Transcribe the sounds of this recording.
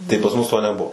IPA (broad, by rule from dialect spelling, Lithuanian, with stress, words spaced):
tɐɪ pɐs ˈmʊs ˈtoː nʲɛˈbuɔ